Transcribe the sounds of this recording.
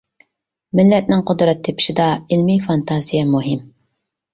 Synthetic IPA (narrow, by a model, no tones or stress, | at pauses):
mɪlːɛt̪̚nɪŋqʰʊd̪ɾɛt̪ʰːepʰɪ̥ʃid̪ɑɪlmifɑnt̪ʰɑzijɛmuɦɪm